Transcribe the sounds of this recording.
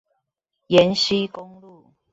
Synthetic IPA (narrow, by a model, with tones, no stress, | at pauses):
jɛ˨˦nɕi˦kʊ˦ŋlu˥˨